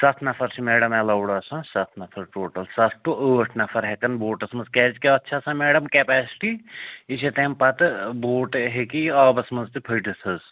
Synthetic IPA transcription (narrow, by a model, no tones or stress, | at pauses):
sɐt̪ʰnɐfʰɐɾt͡ʃʰimeːɽɐmɐlɐwɽasãsɐt̪ʰnɐfʰɐɾʈoːʈɐlsɐt̪ʰʈuʔəːʈʰnɐfʰɐɾɦekɐnboːʈɐsmɐzkɛːd͡ʒkeɐtːʃʰasãːmeːɖɐmkepɛːsi̥ʈiiset̪eːmpɐt̪ɨboːʈɦekiaːbɐsmɐnzt̪ipʰəjʈisɐz